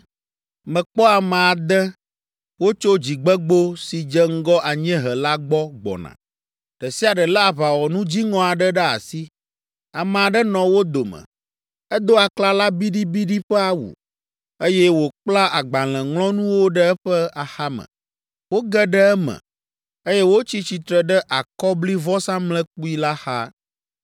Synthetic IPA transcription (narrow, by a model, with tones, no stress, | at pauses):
mɛ̃˨k͡pɔ˦a˨mɛ̃˨a˨d̪ɛ˦ | wo˦t͡ʃo˦d͡ʑi˨ɡ͡bɛ˦ɡ͡bo˦si˨d͡ʒɛ˦ŋ̩˦ɡɔ˦ʔa˨ɲɛ̃˦ɦɛ˨la˦ɡ͡bɔ˦ɡ͡bɔ̰˨nã̰˨ | ɖ̥ɛ˨si˦a˨ɖɛ˨la˦a˨βa˨wɔ˨nũ˦d͡ʑi˦ŋɔ̃˨a˨ɖɛ˦ɖɛ˦a̰˨si˦ | a˨mɛ̃˨a˨ɖɛ˦nɔ̃˨wo˦d̪o˨mə̰̃˨ | ɛ˦d̪o˦a˨kla˦la˦bi˦ɖi˦bi˦ɖi˦ɸɛ˦a˨wṵ˨ | e˦jɛ˦wo˨k͡pla˦ʔa˨ɡ͡ba˨l̃ɛ̃˨ŋlɔ̃˦nũ˦wo˦ɖɛ˦ɛ˦ɸɛ˦a˨xa˦mə̰̃˨ | wo˦ɡɛ˦ɖɛ˦ɛ˦mɛ̰̃˨ | e˦jɛ˦wo˦t͡ɕi˦t͡ɕi˨t̪ɾɛ˨ɖɛ˦ʔa˨kɔ˦bli˦vɔ˦sã˦mlɛ̃˦k͡pu˦i˦la˦xa˦